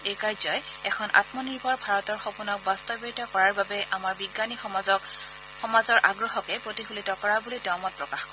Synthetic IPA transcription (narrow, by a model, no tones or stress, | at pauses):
ejkaɹzɔjɛkʰɔnʔa̰tmɔniɹbʱɔɹbʱaɹɔtɔɹxopunɔk̚bastɔbiɹtɔkɔɹaɹbabɛʔamaɹbiɡːaniz | xɔmazɔɹʔaɡɹɔxɔkɛpɹotixulitɔkɔɹabulidɔmɔt̚pɹɔkaxkɔɛ